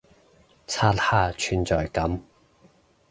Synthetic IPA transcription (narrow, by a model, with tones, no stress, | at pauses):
t͡sʰaː˥t̚haː˥t͡ʃʰy˨˧nt͡sɔː˨jkɐ˨˥m